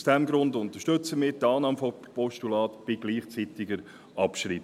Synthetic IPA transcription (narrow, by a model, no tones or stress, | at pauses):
sd̥ɛmɡɾʊndʊnt̪əʃtɵt͡səmɪːɾtɑːnɑːmfo | pɔʃtulɑːtb̥ɪɡliːχt͡siːtɪɡəɾ | ʔɑpʃɾiː